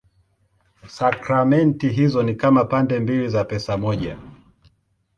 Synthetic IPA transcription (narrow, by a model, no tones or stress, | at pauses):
sakɾamɛntiɦizɔnikamapandɛmbilizapɛsamɔʄa